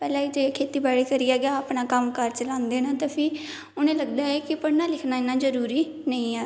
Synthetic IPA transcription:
pɛːlãːiːd͡ʒekʰeːt̪iːbaːɽiːkəɾiːaːɡaaːpnãːkəmkəɾt͡ʃəlãːnd̪eːnaːt̪aːpʰɪː | ʊnẽːləɡd̪aːɛːkɪpəɽnaːlɪkʰnaːɪnãːd͡ʒəɾuːɾiː | nə̃ĩːɛː

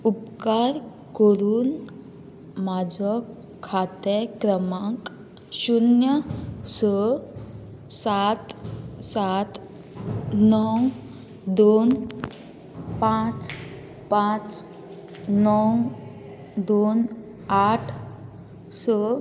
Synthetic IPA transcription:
upkaɾ | kəɾuːn | mad͡ʑɔ | kʰat̪ekɾəmãk | ɕunjəsə | sat̪sat̪ | nɔw | d̪on | pãt͡s | pãt͡s | nɔw | d̪on | aʈʰ | sɔ

